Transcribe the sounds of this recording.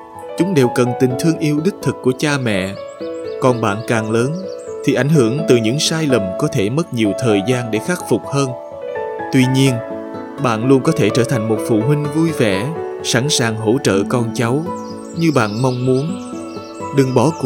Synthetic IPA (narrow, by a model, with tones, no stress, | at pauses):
t͡ɕʊ˨˦ŋ͡mɗe˨˩wkə˨˩nt̪ï˨˩ŋ̟t̪ʰɨ˧əŋʔi˧əwɗi˦˥k̚t̪ʰɨ˨˩k̚kːu˧˩ət͡ɕaː˧mɛ̰˧˨ | kɔ˨˩nɓa̰ː˧˨nkaː˨˩ŋləː˨˦nt̪ʰi˨˩ʔa˧˩jŋ̟hɨ˧˩əŋt̪ɨ˨˩ɲɨ̰˧˥ŋsaː˧jlə˨˩mkɔ˨˦t̪ʰe˧˩mə˦˥t̚ɲi˨˩əwt̪ʰəː˨˩jzaː˧nɗe˧˩xaː˦˥k̚fʊ˨˩k͡p̚həː˧n | t̪wi˧ɲi˧ən | ɓa̰ː˧˨nlu˧ənkɔ˨˦t̪ʰe˧˩t͡ɕəː˧˩t̪ʰa˨˩jŋ̟mo˨˩t̚fṵ˧˨ɦwï˧ŋ̟vu˧jvɛ̰˧˩sa˧˩nsaː˨˩ŋɦo̰˧˥t͡ɕə̰ː˧˨kɔ˧nt͡ɕa˨˦w | ɲɨ˧ɓa̰ː˧˨nma˧wŋ͡mmu˨˦ən | ɗɨ˨˩ŋɓɔ˧˩˦